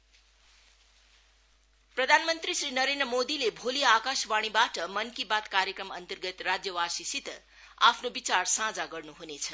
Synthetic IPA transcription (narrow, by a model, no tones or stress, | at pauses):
prʌd̪ʱanmʌnt̪risrinʌɾend̪rəmod̪ilebʱolijaakasbaɽ̃ibaʈʌmʌnkibat̪kaɾjekrʌmʌnt̪ʌrɡʌt̪rad͡zjʌwasisit̪ | apʰnobit͡sarsãd͡zaɡʌrnuɦunet͡sʰʌ